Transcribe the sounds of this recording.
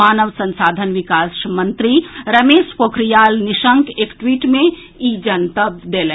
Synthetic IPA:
aːnəʋsɐ̃nsaːd̪ʱənʋɪkaːsmɐ̃nt̪ɾiɾɐmeːʃpoːkʰɾijaːlnɪʃə̃ŋkeːkʈwiːʈmẽ | iːd͡ʒɐnt̪əbd̪eːlẽ

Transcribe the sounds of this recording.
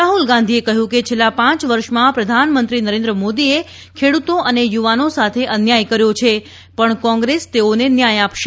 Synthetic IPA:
aɦulɡãnd̪ʱiekəɦjũket͡ʃʰelːapãt͡ʃʋəɾʃmãpɾəd̪ʱanmənt̪ɾinəɾẽnd̪ɾəmod̪ie | kʰeɽut̪oʔənejuʋanosat̪ʰeʔənjajkəɾjot͡ʃʰe | pəɳkɔ̃ŋɡɾest̪eonenjajapʃe

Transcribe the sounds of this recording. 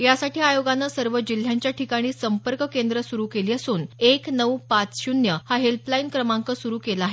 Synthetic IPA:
jasaʈiːajoɡanːəsəɾʋəd͡ʑil̤jaɲt͡ɕjaʈʰikaɽ̃iːsəmpəɾkkend̪ɾəsuɾuːkeliːəsuːneknəwpat͡sɕunjəhaɦelplainkɾəmaŋkəsuɾuːkelaːɦe

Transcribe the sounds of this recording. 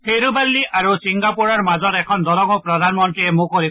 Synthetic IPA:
pʰeɾubalːiʔaɾusiŋɡapuɾɔɾmad͡ʒɔɾekʰɔnd̪ɔɾɔŋɔpɾɔd̪ʱanmɔnt̪ɾiemũkɔɾi

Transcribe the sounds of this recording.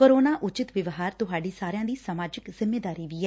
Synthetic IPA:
koːɾoːnaːʔʊt͡ʃɪt̪ʋɪʋɦaːɾt̪ʊɦaːɖiːsaːɾɪjãːd̪iːsamaːd͡ʒɪkzɪmːeːd̪aːɾiːʋiːɛː

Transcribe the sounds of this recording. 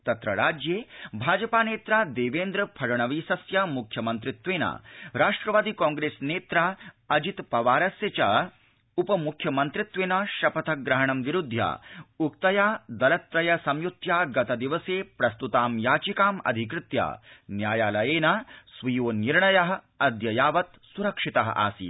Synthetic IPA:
t̪ɐt̪ɾɐɾaːd͡ʒjeːbʱaːd͡ʒɐpaːneːt̪ɾaːd̪eːʋeːnd̪ɾɐpʰɐɾɐɳɐʋiːsɐsjamukʰjɐmɐnt̪ɾɪt̪ʋeːna̰ːɾaːʂʈɾɐʋaːd̪ikaːŋɡɾeːsneːt̪ɾaː | ɐd͡ʒit̪pɐʋaːɾɐsjɐt͡ʃɐ̰ | upɐmukʰjɐmɐnt̪ɾɪt̪ʋeːnaʃɐpɐt̪ʰɐɡɾɐɦɐɳɐmʋiɾud̪ʱja̰ːukt̪ɐjaːd̪ɐlɐt̪ɾɐjɐsɐmjut̪jaːɡɐt̪ɐd̪iʋɐseːpɾɐst̪ut̪aːmjaːt͡ʃikaːmɐ̰d̪ʱikɾɪt̪ja̰ːnjaːjaːlɐjeːnasʋijoːniɾɳɐjɐɦɐ̆ | ɐd̪jɐjaːʋɐt̪ | suɾɐkʂit̪ɐɦɐ̰ʔa̰ːsḭː

